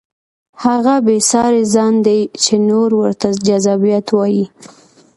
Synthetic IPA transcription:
haɣabesɑɾezɑnd̪ejt͡ʃenoɾwəɾt̪ad͡ʒazɑbijat̪wɑji

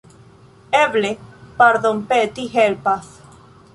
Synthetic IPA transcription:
eβlepaɾðompet̪iɦelpas

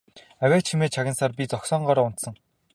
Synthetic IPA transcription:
æwʲæːt͡ɕxʰimeːt͡ɕʰaɣʲɪ̆nsaːrpʲit͡sɔksɔːɴɢɔːɾɔːʊn̥t̪sə̆ŋ

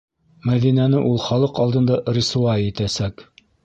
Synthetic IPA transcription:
mæðinænɘʔulˠχɑlˠɤqɑlˠd̪ɤ̆nd̪ɑʔɾisuɑɘt̪æsæk

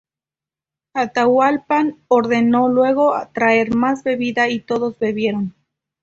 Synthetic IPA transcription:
at̪awalpanoɾðe̞no̞lwe̞ɣo̞t̪ɾae̞ɾmazbe̞βiðait̪o̞ðo̞zbe̞βje̞ɾo̞n

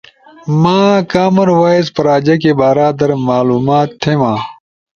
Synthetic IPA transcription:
mãːkaːmɐɾwaːjzpɐɾaːd͡ʑɐkebaːɾaːd̪ɐɾmaːluːmaːt̪ʰːeːmãː

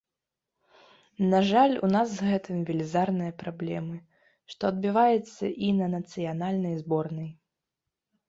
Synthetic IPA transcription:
naʐalʲṵnasɣɛt̪ɨmvʲɛlʲizarnɨjɐpɾablʲɛmɨ | ʂt̪ɔɐd̪bʲɨvajɛt̪sːɐ̰ʔinɐnɐt̪sɨjanalʲnɐjzbɔrnɐj

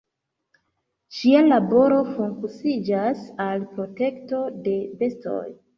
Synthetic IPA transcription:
t͡ʃialabo̞ɾo̞fuŋkusid͡ʒasalpɾo̞te̞kto̞de̞be̞sto̞̰j

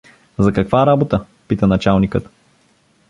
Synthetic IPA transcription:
zɐkɐkvaɾabot̪ə | pit̪ənɐt͡ʃalˠnikət̪

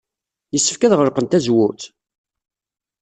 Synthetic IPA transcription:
jəsːə̥fkæðʁəɾqənt̪æzwuθ

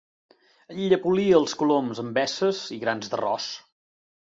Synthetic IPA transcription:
əʎiʎəpuliəːlˠskulomzəmbɛsəziɣɾanzðərɔ̰s

